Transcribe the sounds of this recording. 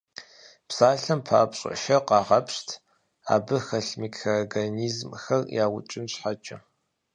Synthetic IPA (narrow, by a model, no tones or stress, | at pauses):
psaːɬɐmpʰa̰ːpɕʼɪ̰ʃɐqɑːʁɐpʰɕtʰ | a̰ːbɨxɐɬmikʰaɡɐniːzmxɐrjaːwʊ̰t͡ʃʼɪnɕħat͡ʃʼɐ